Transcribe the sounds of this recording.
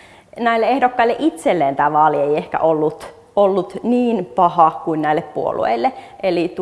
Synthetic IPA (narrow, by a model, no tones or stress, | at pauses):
næilːeehdokːɑilːeʔit̪selːeːnt̪æːʋɑːlieiehkæ̰ʔolːut̪ | olːut̪niːnpɑhɑkuinnæilːeppuo̰lṵḛilːeʔelit̪